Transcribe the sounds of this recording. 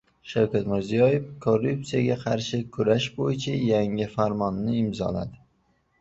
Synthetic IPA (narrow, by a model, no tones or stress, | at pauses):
ʃawkʲat̪mɪɾzijɒje̞fkʰo̞rːup̚sijaɡʲaqʰɑɾʃɪkʰʊɾaʃbojɪt͡ʃʰajaŋɪfaɾmɒnːɪɪmzɒ̰la̰d̪ɪ